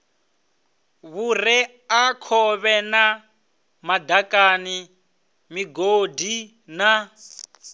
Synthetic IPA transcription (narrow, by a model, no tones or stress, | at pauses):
βurɛ | akʰɔβɛna | madakani | miɡodi | na